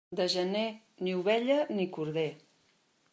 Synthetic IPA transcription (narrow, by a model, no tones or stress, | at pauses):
d̪əʒəne | niuβɛʎənikuɾðe